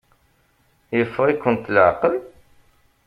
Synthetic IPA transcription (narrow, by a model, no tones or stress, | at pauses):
jəfːʁikʷːənt̪lʕqəl